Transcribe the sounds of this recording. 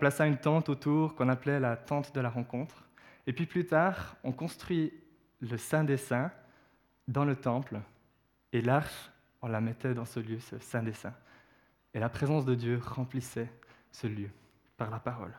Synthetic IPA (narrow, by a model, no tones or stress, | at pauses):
ɔ̃plasaynt̪ɑ̃t̪ot̪uːʁkɔ̃naplɛlat̪ɑ̃t̪d̪əlaʁɑ̃kɔ̃t̪χ | epɥiplyt̪aːʁɔ̃kɔ̃st̪χɥi | ləsɛ̃d̪esɛ̃ | d̪ɑ̃lət̪ɑ̃pl | elaʁʃ | ɔ̃lamɛt̪ɛd̪ɑ̃səljøsə̰sɛ̃d̪esɛ̰̃ | elapχezɑ̃sd̪əd̪jøʁɑ̃plisɛ | səljø | paʁlapaʁɔ̰l